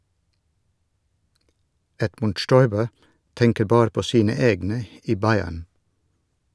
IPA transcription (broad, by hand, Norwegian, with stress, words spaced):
ˈɛdmʉnd ˈʃtɔʏbə ˈtɛŋkəɾ ˈbɑːɾ ˈpoː ˈsiːnə ˈeːɡnə ˈiː ˈbɑɪæɳ